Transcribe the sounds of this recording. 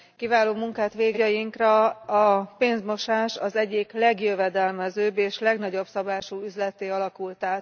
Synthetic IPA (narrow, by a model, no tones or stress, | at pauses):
kivaːloːmuŋkaːt̪ʋeːɡjɒjiŋkrɒɒpeːnzmo̞ʃaːʃɒzɛɟiklɛɡjøvɛd̪ɛlmɛzøːbeːʃlɛɡnɒɟo̞bsɒbaːʃuyzlɛt̪eːɒlɒkult̪aːt̪